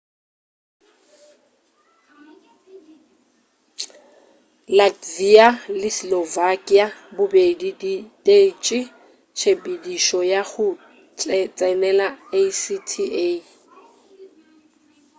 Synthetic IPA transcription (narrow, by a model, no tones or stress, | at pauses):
lad͡zialɪslɔvakʼiabʊbediditʼet͡ʃʼɪ | t͡ʃʰepʼidiʃɔjaχʊ | t͡sʼɛt͡sʼɛnɛlaesitʰiʔe